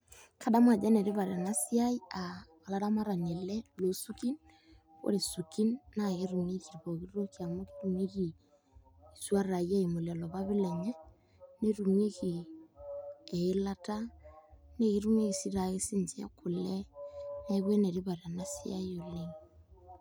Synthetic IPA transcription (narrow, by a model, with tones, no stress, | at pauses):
kʰa˦da˦ma˨d͡ʒa˦ne˨ɾi˦βa˨ɾa˨na˦si˦a˦i˦a˨ | a˨la˦ɾa˦ma˦ɾa˨ɲɛ˨lɛ˦lo˨su˦ki˦n | ko̰˦ɾe˨su˨ki˦nːa˨ɣe˦ɾu˨me˦ki˨ɾβo˨ki˦ɾɾo˦ki˨a˨mo˦ki̥˦ɾu˨mi˦ki˨ | i˨swa˦ɾa˨ja˦i˨mo˨le˨lɔ˨βa˦βɪ˦lɛ˨ɲɛ˦ | ne˦ɾu˨me˦ki˨ | ɛ˨ɪ˦la˦ta˦ | ne˦ɣi˦ɾu˦mwe˦ki˨si˦ɾa˨ɣe˦si˦nd͡ʒɛ̰˦kʰʊ˨lɛ˦ne˦βwe˦ne˨ɾi˦βa˨ɾa˨na˦si˦a̰˦i˦o˨le˨ŋ